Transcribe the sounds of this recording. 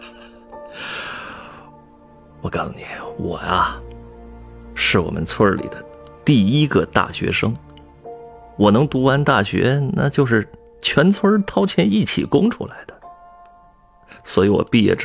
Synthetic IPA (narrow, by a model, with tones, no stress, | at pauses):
wɔ˨˩˦kɑ˥nsu˧˩ni˨˩˦wɔ̰˨˩ɐ˦ | ʂɻ̩˥˩wɔ̰˨˩mʔə̰˦nt͡sʰwə˥lḭ˨˩d̪ə˦t̪i˥˩i˥ɡə˧t̪a̰˥˩ɕɥɛ̰˧˥ʂɤ˥ŋ | wɔ˨˩nɤ˧˥ŋt̪u˧˥a˧˥nt̪a˥˩ɕɥɛ̰˧˥na̰˥˩t͡ɕjo˥˧ʊʂɻ̩˥˩ | t͡ɕʰɥɛ˧˥nt͡sʰwə˥t̪ʰɑ˥ʊt͡ɕʰjɛ˧˥ni˥˩t͡ɕʰḭ˨˩kʊ˥ŋʈ͡ʂʰṵ˥la˧˥ɪd̪̥ə˨ | swɔ˧˥i˧˥wɔ̰˨˩pi˥˧jɛ̰˥˩ʈ͡ʂ